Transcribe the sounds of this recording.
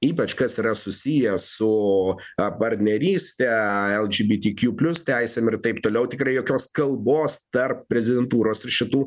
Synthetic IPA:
iːpɐt͡ʃkɐsiːɾɐsʊsʲijɛsʊ | pɐɾʲt̪ʲnʲɛɾʲiːsʲt̪ʲɛɛlˠd͡ʒʲiːbʲiːt̪ʲiːkʲjuːpʲlʲʊst̪ʲæɪsʲɛmɪrt̪ɐɪpt̪oːlʲɛʊt̪ʲɪkɾɐɪjoːkʲoːskɐlˠboːst̪ɐrp̚pʲɾʲɛzʲɪd̪ʲɛnt̪uːɾoːsɪɾʃʲɪt̪uː

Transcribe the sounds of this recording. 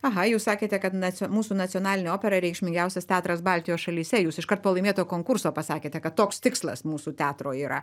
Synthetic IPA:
ɐɦɐjuːssɑːkʲeːt̪ʲɛkɐt̪nɐmuːsuːnɐt͡s̪ʲɪɔnɑːlʲɪnʲeːoːpʲɛɾɐɾʲɛɪkʃʲmʲɪŋɡʲɛʊsʲɛst̪ʲæːt̪ɾɐsbɑːlʲt̪ʲɪjoːsʃɐlʲiːsʲɛjuːsɪʃkɐrt̪̚poːlˠɐɪmeːt̪oːkoːŋkʊɾsoːpɐsɑːkʲeːt̪ʲɛkɐt̪toːkst̪ʲɪkslˠɐ̰smuːsuːt̪ʲæːt̪ɾoːiːɾɐ̰

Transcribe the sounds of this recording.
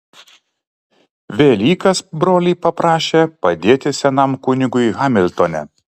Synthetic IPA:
ʋʲeːlʲiːkɐsbɾoːlʲiːpɐpɾɑːʃʲeːpɐd̪ʲeːt̪ʲɪsʲɛnɐmkʊnʲɪɡʊɣɑːmʲɪlʲt̪onʲɛ̰

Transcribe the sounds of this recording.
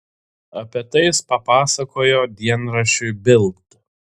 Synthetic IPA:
ɐpʲiɛt̪ɐɪspɐpɑːsɐkoːjoːd̪ʲiɛnɾɐʃʲʊɪbʲɪlˠkt̪

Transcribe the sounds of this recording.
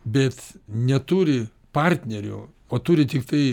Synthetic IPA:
bʲɛt̪nʲɛt̪uɾʲɪ | pɑrʲt̪ʲnʲɛɾʲʊ̰ | oːt̪ʊːɾʲɪt̪ʲɪkt̪ɐɪ

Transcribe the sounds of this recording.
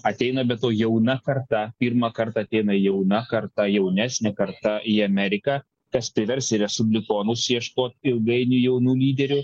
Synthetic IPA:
ɐt̪ʲɛɪnɐbʲɛt̪oːjɛʊnɐkɐrt̪ɐpʲiɾmɐkɐɾt̪ɑɐt̪ʲɛɪnɐjɛʊnɐkɐɾt̪ɐjɛʊnʲæːsʲnʲɛkɐɾt̪ɐʔiɐmʲɛɾʲɪkɑː | kɐspʲɾʲɪʋʲɛɾʲsʲɪɾʲɛsʊbʲlʲɪkoːnʊsjiɛʃkoːt̪ɪlˠɡɐɪnʲʊːjɛʊnuːlʲiːd̪ʲɛɾʲʊ

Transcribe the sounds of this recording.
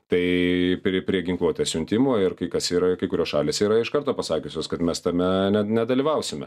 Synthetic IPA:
t̪ɐɪpʲɾʲiɛpʲɾʲiɛɡʲɪŋklˠuɔt̪ʲeːsʲʊnʲt̪ʲɪmoːɪɾkɐɪkɐsiːɾɐkɐɪkʊɾʲoːsʃɑːlʲeːsiːɾɐɪʃkɐɾt̪oːpɐsɑːkʲʊsʲoːskɐt̪mʲɛst̪ɐmʲɛnʲɛnʲɛd̪ɐlʲiːʋɐʊsʲɪmʲɛ̰

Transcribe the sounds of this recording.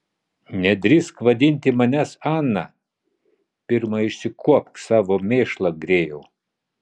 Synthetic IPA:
nʲɛd̪ʲɾʲɪskʋɐd̪ʲɪnʲt̪ʲɪmɐnʲɛsɑːnːɐ̰ | pʲɪɾmɐɪʃʲsʲɪkʰuɔp̚t̪sɑːʋoːmʲeːʃlˠɐɡɾʲeːjɛː

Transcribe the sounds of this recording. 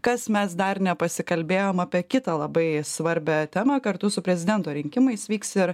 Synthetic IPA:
kɐsmʲɛsd̪ɐɾnʲɛpɐsʲɪkɐlʲbʲeːjoːmɑːpʲiɛkʲɪt̪ɐːlˠɐbɐɪsʋɐɾʲbʲæt̪ʲæmɐkɐɾt̪ʊsʊpʲɾʲɛzʲɪd̪ʲɛnt̪oːɾʲɪŋʲkʲɪmɐɪsʋʲiːksɪɾ

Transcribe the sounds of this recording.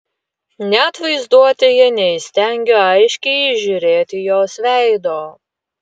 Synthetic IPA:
nʲɛɐt̪ʋɐɪzd̪uɔt̪ʲɪjɛnʲɛɪsʲt̪ʲɛŋʲɡʲoːɐɪʃʲkʲɛɪɪʒʲʊɾʲeːt̪ʲɪjoːsʋʲæˑɪd̪oː

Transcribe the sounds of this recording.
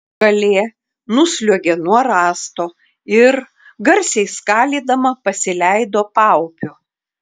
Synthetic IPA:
ɡɐlʲeː | nʊsʲlʲuɔɡʲeːnuɔɾɑːst̪oː | ɪɾ | ɡɐɾʲsʲɛɪskɑːlʲiːd̪ɐmɐpɐsʲɪlʲæɪd̪oːpɐʊpʲʊ

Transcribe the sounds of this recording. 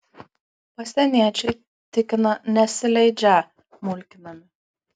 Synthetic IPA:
pɐsʲt̪ʲɛnʲiɛt͡ʃʲɛɪ | t̪ʲɪkʲɪnɐnʲɛsʲɪlʲɛɪd͡ʒʲæ | mʊlʲkʲɪnɐmʲɪ

